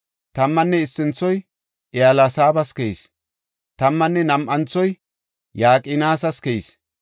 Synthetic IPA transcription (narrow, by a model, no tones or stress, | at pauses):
t̪ɐmːɐnːɛɪsːɪnt͡sːɔj | ʔɪalasaːbɐskɛis | t̪ɐmːɐnːɛnɐmʔɐnt͡sːɔj | jaːkʼɪnaːsɐskɛjis